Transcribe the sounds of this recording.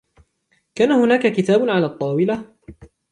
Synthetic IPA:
kaːnahʊnaːkakɪt̪aːbʊʕalaːt̪ˤːɑːwɪla

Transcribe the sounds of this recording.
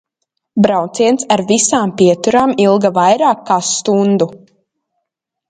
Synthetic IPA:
bɾawt̪siɛnsaɾvisaːmpiɛt̪uɾaːmilˠɡavajɾaːkːaːst̪und̪u

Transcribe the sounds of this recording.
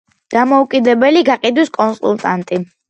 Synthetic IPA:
d̪̥amɔukʼid̪ɛbɛliɡaqʼid̪wiskʼɔnsṵlˠt̪ʼant̪ʼi

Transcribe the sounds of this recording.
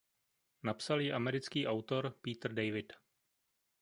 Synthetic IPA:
napsaljɪʔamɛɾɪt͡skiːʔawt̪o̞ɾpiːt̪r̩dɛjvɪd

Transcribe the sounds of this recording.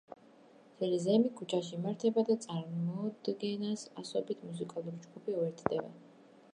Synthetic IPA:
t̪ʰɛlizɛmikʰut͡ʃʰaʃimaɾt̪ʰɛbad̪at̪sʼaɾmɔd̪ɡɛnasasɔbit̪ʰmus̬ikʼalˠuɾid͡ʒɡupʰiuɛɾt̪ʰd̪ɛbɛ̰

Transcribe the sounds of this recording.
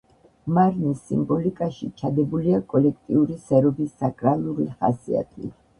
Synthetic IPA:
maɾnisːḭmbɔlikʼaʃit͡ʃʰad̪ɛbuliakʼɔlɛkʰt̪ʼiuɾisɛɾɔbisːakʼɾalˠuɾiχa̰sḭa̰t̪ʰḭ

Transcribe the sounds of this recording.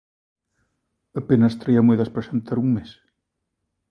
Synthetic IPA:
ɐpenɐst̪ɾaiameðɐspɾesent̪aɾuŋmes

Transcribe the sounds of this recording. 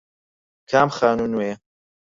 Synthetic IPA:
kʰaːmxaːnunue

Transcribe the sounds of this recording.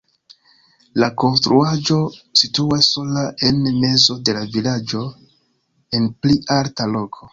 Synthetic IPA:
lako̞nstɾuad͡ʒo̞situasːo̞laʔe̞nme̞zo̞de̞lavilad͡ʒo̞ | e̞npliʔaltalo̞kʰo̞

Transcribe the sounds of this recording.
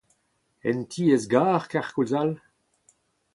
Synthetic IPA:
ɛ̰ntʰiːezɡaːʁkaʁkulzal

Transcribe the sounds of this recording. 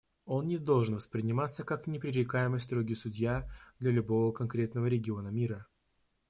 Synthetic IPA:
o̞nnʲɪd̪o̞lˠʐɨnvəspɾʲɪnʲɪmat̪səkaknʲɪpɾʲɪɾʲɪkajɪməjst̪ɾoɡʲɪsʊdʲjad̪lʲɐlʲʊbo̞vəkɐnkɾʲe̞t̪nəvəɾʲɪɡʲɪo̞nəmʲiɾə

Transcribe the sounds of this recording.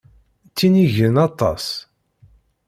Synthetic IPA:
t͡sːiniʝənɑt̪ˤɑ̰s

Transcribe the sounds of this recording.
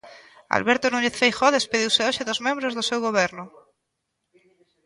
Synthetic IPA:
a̰lβeɾt̪onuɲeθfejxoðespeðiwseoʃeðozmẽmbɾozðosewɣoβ̞eɾnʊ

